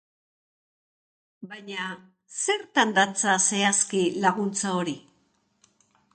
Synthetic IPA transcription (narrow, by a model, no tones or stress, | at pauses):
bajɲa | se̞ɾt̪and̪at͡sase̞askilaɣunt͡saoɾi